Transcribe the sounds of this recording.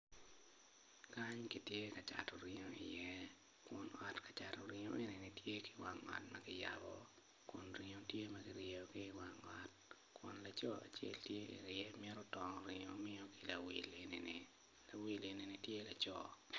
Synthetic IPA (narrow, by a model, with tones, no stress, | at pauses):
ka˦ɲki˨tje˦kat͡ʃa̰˨tɔ˨ɾi˨ɲo˦ɪ̰˨jɛ˦ | kʊ˨nɔ˨tkḁt͡ʃa˨tɔ˨ɾiɲo˦e˨ne˨ni˨tje˦ki̥˦wa˨ŋɔ̰˨tmɐkɪ˦ja̰bɔ | kʊ˨nɾi˨ɲo˦tje˦ma˦ki˦ɾjeo˨ki˦wa˨ŋɔ˦t̚ | kwʊ̰˨nla˨t͡ʃɔ˦a̰˨t͡ʃḛ˦ltje˦ʔḭ˨ɾɪɛ˦mɪ˦ɛ˦ɾɔ˦tɔ˨ŋɔ˨ɾɪ˨ɲo̰˨mɪ˦o˦ki˨la˨wi˨le˨ne˨ne | la˨wi˨le˨ne˨ni˨tje˦lat͡ʃɔ˦